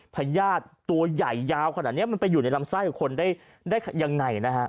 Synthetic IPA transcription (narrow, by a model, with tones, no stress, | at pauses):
pʰa˧jaː˥˩t̪ːu˧ɐja˨˩jːaː˧wkʰa˧na˨˩t̪̚ni˦˥ɐm˧npa˧jːuː˨˩na˧jla˧msaː˥˩jkɔ˨˩kʰo˧ndaː˥˩j | daː˥˩jkja˧ŋːa˧jna˦˥kʰa˦˥ʔ